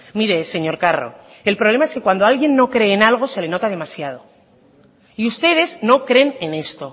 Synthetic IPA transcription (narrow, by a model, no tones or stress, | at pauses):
miɾe̞se̞ɲo̞ɾkaro̞̰ | elpɾoβlemae̞ske̞kwand̪oalɣje̞nːo̞kɾe̞ːnalɣ̞o̞se̞le̞no̞t̪að̞e̞masjað̞o̞ | iust̪e̞ð̞e̞zno̞kɾe̞nene̞st̪o̞